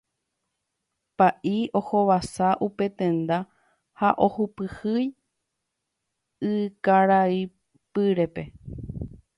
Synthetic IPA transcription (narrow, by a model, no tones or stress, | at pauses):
paʔio̞ho̞ʋasaʔupe̞t̪ẽ̞nd̪a | haʔohupɨhɨj | ɨkaɾai | pɨɾe̞pe̞